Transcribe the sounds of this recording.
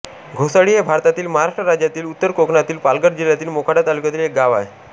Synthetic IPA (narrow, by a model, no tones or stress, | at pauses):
ɡʱosaɽijabʱaɾt̪at̪iːlməɦaɾaʂʈɾəɾad͡ʑjat̪iːlut̪ːəɾkokɳat̪iːlpalɡəɾd͡ʑilːat̪iːlmokʰaɽat̪alukjat̪iːlek̚ɡaʋa̰e